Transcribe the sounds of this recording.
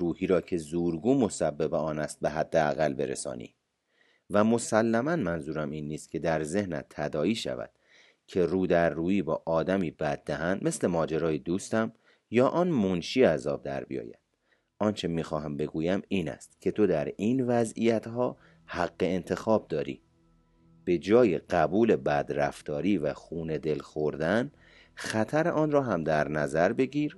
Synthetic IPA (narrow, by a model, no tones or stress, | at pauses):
ɾuːhiːɾɒːcʰe̞zuːɾɡuːmo̞sæbːebeɒːnæst̪̚be̞ɦæd̪ːeæ̰ɣælbe̞̰ɾḛsɒ̰ːnḭː | væmo̞sælːæmænmænzuːɾæmiːnːiːst̪̚cʰe̞d̪æɾze̞hnæ̰t̪ʰːæd̪ɒːiːʃæ̰væ̰d̪̥ | cʰe̞ruːd̪æɾːuːiːbɒːʔɒːd̪æmiːbæd̪̚ːæɦænd̪me̞sle̞mɒːd͡ʒeɾɒːjed̪uːst̪æm | jɒːʔɒːnmonʃiːæzɒːb̚d̪æ̰ɾbḭjɒ̰ːjæ̰nd̪̥ | ʔɒːnt͡ʃʰe̞miːxɒːɦæmbe̞ɡuːjæmiːnæ̰st̪cʰe̞t̪ʰo̞d̪æɾiːnvæzijæt̪ɦɒː | hæɡːe̞ent̪ʰe̞xɒːb̚d̪ɒːɾḭː | b̥e̞d͡ʒɒːjeɢ̥æbuːle̞bæd̪ɾæft̪ɒːɾiːvæxuːne̞d̪e̞lxoɾd̪æn | xæt̪ʰæɾeʔɒːnrɒːɦæmd̪æɾnæzæɾbe̞ɟiːɾ